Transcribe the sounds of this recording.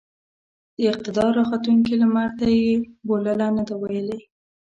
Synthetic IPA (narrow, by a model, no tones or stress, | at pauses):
d̪̥əɪq̚t̪ɪd̪ɑɾɑxat̪uŋkilamaɾt̪ajeboləlanad̪awajəle